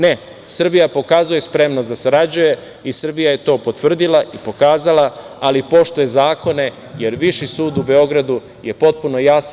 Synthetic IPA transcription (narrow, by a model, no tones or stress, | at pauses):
ne | sr̩bijapo̞kaːzuje̞spɾe̞mnosd̪aseɾad͡ʑuje̞ | isr̩bijaje̞t̪o̞ːpo̞t̪ʋr̩d̪ilˠaʔipo̞kaːzalˠa | alipo̞ʃt̪ujezaːko̞ne̞ | je̞ɾʋiʃisuːd̪ube̞o̞ɡɾad̪u | je̞po̞t̪̚puno̞jas